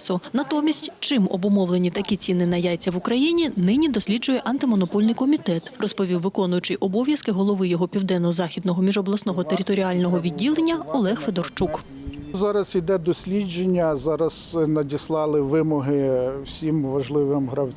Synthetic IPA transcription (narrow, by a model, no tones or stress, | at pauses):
sʊnɐt̪ɔmʲisʲtʲt͡ʃɪmɔbʊmɔwlenʲit̪ɐkʲit͡sʲinɪnɐjajt͡sʲːɐʋʊkɾɐjinʲinɪnʲid̪ɔsʲlʲidd͡ʒʊjɛʔɐnt̪ɪmɔnɔpɔlʲnɪjkɔmʲit̪ɛt̪rɔspɔʋʲiwːɪkɔnʊjʊt͡ʃɪjʔɔbɔʋʲjɐskɪɦɔlˠɔʋɪjɔɦɔpʲiwd̪ɛnːɔɔzɑxʲid̪nɔɦɔmʲiʒɔblˠɐsnɔɦɔt̪eɾʲɪt̪ɔɾʲiɑlʲnɔɦɔʋʲidʲːilˠenʲːɐɔlˠɛxfed̪ɔrt͡ʃuk | zɑɾɐsid̪ɛd̪ɔsʲlʲid͡ʒenʲːɐzɑɾɐz̥nɐdʲislˠɑlˠɪʋɪmɔɦɪwsʲimʋɐʒlˠɪʋɪmɦɾɐwʲ